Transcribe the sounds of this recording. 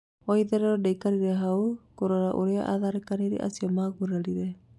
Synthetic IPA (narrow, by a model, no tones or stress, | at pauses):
ɔiðɛɾɛɾɔdaikaɾiɾɛɦaukoɾaɾaʔoɾea̰ʔa̰ðaɾekaneɾḭʔa̰siɔmaːɣuɾaɾiɾɛ